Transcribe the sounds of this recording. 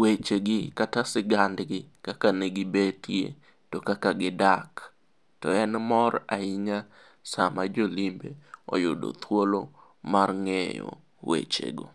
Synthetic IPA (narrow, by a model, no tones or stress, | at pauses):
wet͡ʃeɡɪkatasɪɡandɡɪkakaneɡɪbetjḛ | tɔkakaɡɪdak | tɔɛnmɔraɪɲa | samad͡ʒolimbeɔ̰jʊ̰do̰t̪ʰwolo | marŋɛjɔ̰ | wḛt͡ʃḛɡo̰